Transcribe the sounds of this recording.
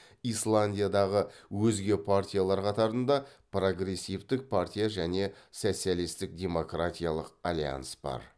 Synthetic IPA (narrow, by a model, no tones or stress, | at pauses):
islˠanʲdʲijad̪ɑʁəwɵzɡʲe̞pʰartʲijalˠɑɾqʰɑt̪ɑɾənd̪ɑpro̞ɡre̞sʲːift̪ɪk̚pʰart̪ʲijaʒæne̞so̞t̪sijalˠist̪ɪk̚dʲe̞mo̞krat̪ʲijalˠəqalʲija̰nsb̥ɑ̰ɾ